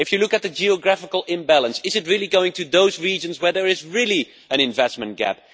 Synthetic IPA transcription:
ɨfjɨlʊkɨt̚ðɨd͡ʒiəɡɹæfɪkəlˠɪ̃mbælˠə̃nsɪzɨt̚ɹɪlˠiɡoʊɪ̃ŋtʰɨðoʊzɹid͡ʒɨ̃nzwə˞ðə˞ɪzɹɪlˠi | ɨ̃ñɨ̃ɱvɛsmə̃ntɡ̥æ̰p̚

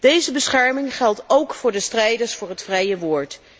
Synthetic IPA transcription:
d̥ejzəbəsχɛɹmɪŋχɛlˠtowkfʊːɹdəstrɛjdəɹsfʊːɹɦətfrɛjəʋʊːɹt

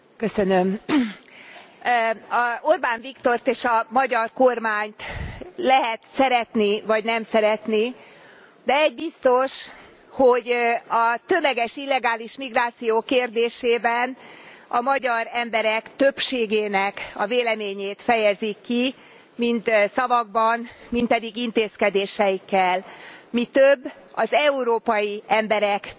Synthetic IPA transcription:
kø̞sø̞nøm | ɒorbaːɱvikt̪o̞rt̪eːʃɒmɒɟɒrkormaːɲt̪lɛɦɛt̪sɛɾɛt̪nivɒɟnɛmsɛɾɛt̪ni | d̪ɛɛɟ̚bist̪o̞ʃ | hoɟɒt̪ø̞mɛɡɛʃilːɛɡaːliʃmiɡraːt̪sijoːkeːrd̪eːʃeːbɛnɒmɒɟɒɾɛmbɛɾɛkt̪ø̞pʃeːɡeːnɛkɒveːlɛmeːɲeːt̪fɛjɛzikːi | mint̪sɒvɒɡ̚bɒnmint̪̚pɛd̪iɡint̪eːskɛd̪eːʃɛjikːɛlmit̪øbː | ɒzɛuɾoːpɒjiɛmbɛɾɛk

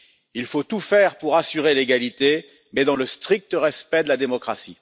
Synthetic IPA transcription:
ilfot̪ufɛʁpuʁasyʁeleɡalit̪e | mɛd̪ɑ̃ləst̪χik̚t̪əʁɛspɛd̪əlad̪emɔkχasḭ

